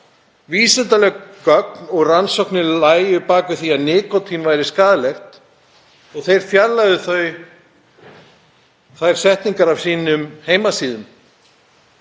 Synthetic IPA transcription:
viːsɛnt̪alɛœknɔɣransɔhknɪlaːjjʏpaːkʏθiaðnɪːkɔt̪ʰinvaːjɾɪskaːðalɛxt̪ | ɔɣθejɾ̥fjaɾlaðʏθœɥ | θajɾ̥sɛht̪niŋkaɾav̥siːnʏmheːjmasiːðʏm

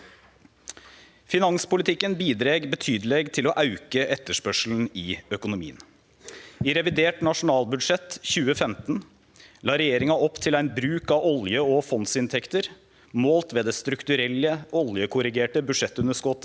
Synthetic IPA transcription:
fɪnɑŋnspʊlɪt̪ʰɪkːənbiːd̪ɾeːɡbət̪ʰyːd̪əleɡt̪ʰɪlɔʔɑʉkəʔɛt̪ːəʂpœʂln̩ɪœkʊnʊmḭːən | ɪɾɛʋɪd̪eːʈnɑʂʊnɑːlbʉd̪ʂɛt̪çʉːəfɛmt̪n | lɑːɾɛjeːɾɪŋɑʔɔpt̪ʰɪlæɪnbɾʉːkɑɔljəɔfɔnsɪnt̪ʰɛkt̪əɾ | moːlt̪ʋeːd̪eːst̪ɾʉkt̪ʉɾɛlːəɔljəkʰʊɾɪɡeːʈəbʉʂɛt̪ːʉnəʂkɔt̪ːə

